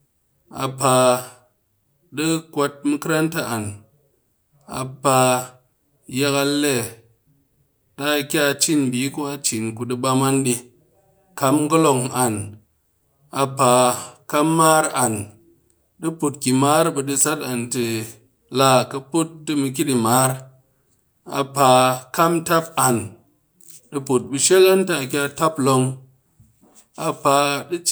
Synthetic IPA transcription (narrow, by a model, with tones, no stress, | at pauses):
a̰˨pa˨ | dɨ˦kʷa˧t̚mɨ˦kɨ˦ɾa˦nta˨ʔa˨n | a̰˨pa˧ | ja˧ka˧lːe˦˨ | ɗa˦˨˧kʲa˦˧t͡ʃi˦ndi˨˦ku˦a˦t͡ʃi˨nku˨dɨ˧ba˧ma˦nɗi˧ | ka˧mɡɨ˦lo˧ŋa˨n | a˨pa˨ka˦mmːa˦ɾa˨n | ɗɨ˦pu˨t̚kʲi˨ma˦ɾbɐ˧dɨ˧sa˦ta˨ntɨ˧ | la˦˧˨kɐ˧pu˦t̚dɨ˦˧mɨ˧k̬ʲi˦di˨maː˦ɾ | a˧pa˧ka˦mta˦p̚a˨n | ɗɨ˧po˨t̚bu˧ʃe˦ka˦nta˧˨kʲa˧ta˦plo˧ŋ | a˧pa˧ɗɨ˦